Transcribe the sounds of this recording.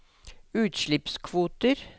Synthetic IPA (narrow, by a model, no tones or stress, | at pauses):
ʉːt̪ʃɭɪpskʰʋuːt̪əɾ